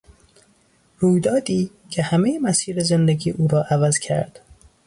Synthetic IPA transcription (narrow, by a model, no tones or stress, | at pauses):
ɾuːjd̪ɒːd̪iː | cʰehæmejemæsiːɾezend̪eɟiːʔuːɾɒːʔævæzcʰæ̰ɾd̪̥